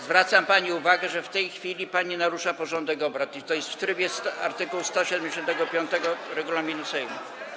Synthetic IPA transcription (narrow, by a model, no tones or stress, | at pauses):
zvɾat̪sampaɲiuvaɡɛʐɛft̪ɛjxfʲilʲipaɲinaɾuʂapɔʐɔnd̪ɛɡɔbɾat̪it̪ɔjɛst̪ft̪ɾɘbjɛst̪t̪a̰ɾt̪ɘkuwst̪ɔɕɛd̪ɛmd͡ʑeɕɔnt̪ɛɡɔpʲjɔnt̪ɛɡɔɾɛɡulamʲinusɛjnɔ̰